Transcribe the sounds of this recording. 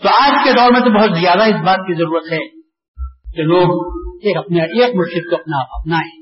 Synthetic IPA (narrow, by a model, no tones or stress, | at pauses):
t̪oaːd͡ʒked̪ɔːɾmẽt̪̬obɐɦʊt̪zijaːd̪aɪs̬baːt̪̚kizɐɾuːɾət̪ɦɛː | keloːɡeːkɐp̚neʔeːk̚mʊʃɾɪd̪̚koɐpnapɐp̚naɦɛ̃ː